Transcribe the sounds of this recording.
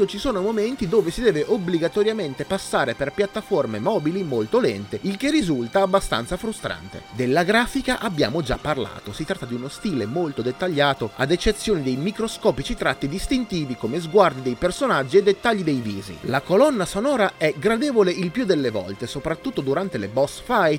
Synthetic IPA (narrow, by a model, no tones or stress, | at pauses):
ot͡ʃisoːnomoment̪id̪oːvesid̪ɛːveʔobliɡat̪ɔɾjament̪epasːaːɾeperpjat̪ːaformemɔːbilimolt̪olɛnt̪eilk̟erːizult̪aːbːast̪a̰nt̪safɾust̪ɾa̰nt̪ḛd̪elːaɡɾaːfikaʔabːja̰ːmod͡ʒa̰pːarla̰ːt̪osit̪ɾat̪ːad̪iunost̪iːlemolt̪od̪et̪ːaʎːaːt̪oa̰d̪et͡ʃːet̪sːjoːnid̪ejmikɾoskɔːpit͡ʃit̪ɾat̪ːid̪ist̪int̪iːvikomezɡward̪id̪ejpersonad͡ʒːied̪et̪ːaʎːid̪ejviːzḭlakolɔnːasonɔːɾaɛɡɾad̪ɛːvoleilpjud̪elːevɔ̰lt̪esopɾat̪ːut̪ːod̪uɾant̪elebɔsfaj